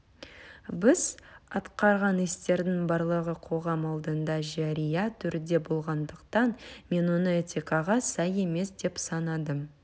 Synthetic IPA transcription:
bɪz̥ɑt̪qɑɾʁɑnest̪e̞ɾd̪ɪŋbɑɾlˠəʁəqʰo̞ʁɑmɑlˠd̪ənd̪ɑʒæɾijɑt̪ʰʏɾd̪e̞bo̞lˠʁɑnd̪əqt̪ɑnme̞nwo̞nəet̪ʲikɑʁɑsɑje̞me̞sd̪e̞psɑnɑd̪əm

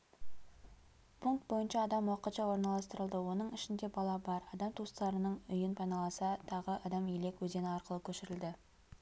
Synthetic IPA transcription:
pʰuŋk̚t̪̚bo̞jənʃɑːd̪ɑmwɑqət̪ʃɑwo̞ɾnɑlˠɑst̪əɾəlˠd̪əwo̞nəɴɪʃɪnd̪e̞bɑlˠɑbɑɾɑd̪ɑmt̪ʰust̪ɑɾənəɴʏjɪnpʰɑjnɑlˠɑsɑt̪ʰɑʁəʔɑd̪ɑmijle̞kwɵze̞nɪɑɾqəlˠəkʲʰɵʃɪɾɪld̪ɪ

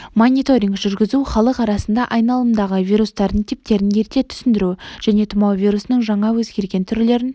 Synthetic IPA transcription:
monʲit̪o̞ɾʲiŋkʒʏɾɡʲɪzuχɑlˠəqɑɾɑsənd̪ɑʔɑjnɑlˠəmnd̪ɑʁəvijɾust̪ɑɾd̪əɴt̪ʰip̚t̪e̞ɾɪnje̞ɾt̪e̞t̪ʰʏ̥sɪnd̪ɪɾuʒ̥æne̞t̪ʰʊmɑwvʲijɾusənəɴʒɑɴɑwɵzɡʲe̞ɾɡʲe̞nt̪ʰʏɾle̞ɾɪn

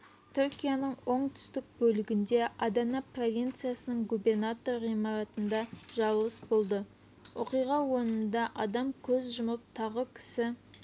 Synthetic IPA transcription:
t̪ʰʏɾkʲijanəɴwo̞ɴt̪ʰʏ̥st̪ɪk̚bɵlɪɡʲɪnd̪e̞ʔɑd̪ɑnɑpro̞vʲijnt̪sɨjasənəɴɡube̞rnat̪o̞rʁijmɑɾɑt̪ənd̪ɑʒɑɾlˠəsbo̞lˠd̪ə | woqijʁɑwo̞nənd̪ɑʔɑd̪ɑmkʲʰɵzʒʊməp̚t̪ʰɑʁəkʲʰɪ̥sɪ

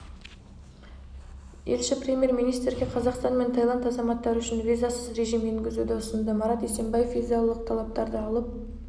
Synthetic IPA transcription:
e̞lʃɪprʲe̞mʲje̞ɾmijnijst̪rɡʲe̞qʰɑzɑqst̪ɑnme̞nt̪ʰɑjlˠɑnt̪ɑzɑmɑt̪ːɑɾʏʃɪnvʲizasəzɾe̞ʒijmeŋɡʲɪzud̪ɪʊsənd̪əmɑɾɑt̪ese̞mbɑje̞fizialˠəq̚t̪ʰɑlˠɑp̚t̪ɑɾd̪əɑlˠəp̚

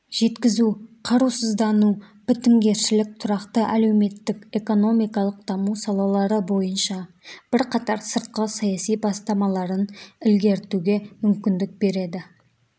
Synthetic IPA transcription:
ʒ̥e̞t̪kʲɪzuqʰɑɾusəzd̪ɑnu | b̥ɪt̪ɪŋɡʲe̞ɾʃɪlɪk̚t̪ʰʊɾɑqt̪əʔæle̞wme̞t̪ːɪkʲe̞ko̞no̞mijkɑlˠəq̚d̪̥ɑmusɑlˠɑlˠɑɾəbo̞jənʃɑ | b̥ɪɾqʰɑt̪ɑɾsəɾt̪̚qəsɑjɑsijbɑst̪ɑmɑlˠɑɾənɪlɡʲe̞ɾt̪uɡʲe̞mʏmkʲɪnd̪ɪk̚be̞ɾe̞d̪ɪ

